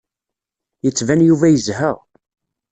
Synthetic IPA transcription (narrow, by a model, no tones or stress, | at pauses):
jət͡sːvænjuvæjəzɦəʁ